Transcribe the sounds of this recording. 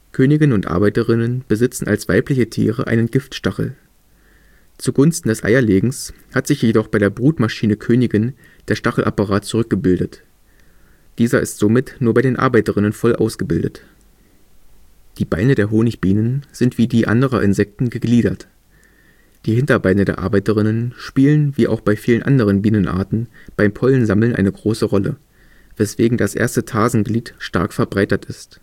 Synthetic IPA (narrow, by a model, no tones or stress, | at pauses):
kʰøːnɪɡɪnʊntʔa̰ɐbaɪtəʁɪnənb̥əzɪt͡sn̩ʔa̰lsv̥a̰ɪplɪçətʰḭːʁə̰ʔaɪnənɡɪftʃtaχl̩ | t͡suɡʊnstn̩dɛsʔa̰ɪɐleːɡŋ̩s | hatz̥ɪçjedɔχb̥aɪɾeːɐbʁuːtmaʃiːnəkʰøːnɪɡɪn | d̥eːɐʃtaχl̩ʔapaʁaːtt͡suʁʏk̚ɡ̥əbɪldət | d̥iːzɐʔɪ̰stz̥omɪtnuːɐbaɪdeːnʔa̰ɐbaɪtəʁɪnənfɔlʔa̰ʊsɡ̥əbɪldət | d̥iːbaɪnədeːɐɦoːnɪçb̥iːnənz̥ɪntv̥iːdiːʔa̰ndəʁɐʔɪnzɛk̚tn̩ɡəɡliːɾɐt | d̥iːhɪntɐbaɪnədeːɐʔa̰ɐbaɪtəʁɪnənʃpiːlənviːʔa̰ʊxb̥aɪfiːlənʔa̰ndəʁ̞ənbiːnənʔa̰ːɐtn̩b̥aɪmpʰɔlənzaml̩nʔa̰ɪnəɡʁoːsəʁɔlə̰ | v̥ɛsv̥eːɡŋ̩dasʔḛːɐstətʰaːzn̩ɡliːtʃta̰ɐkfɛɐbʁaɪtɐtɪst